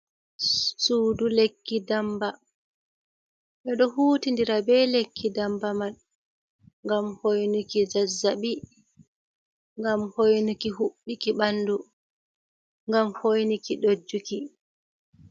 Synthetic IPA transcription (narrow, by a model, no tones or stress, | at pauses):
suːdulekːidamba | ɓɛɗɔhuːtindiɾabɛlekʰːidambaman | ŋɡamhojnukid͡ʒazːaɓi | ŋɡamhojnukiɦuɓːikiɓandu | ŋɡamhojnikiɗod͡ʒːuki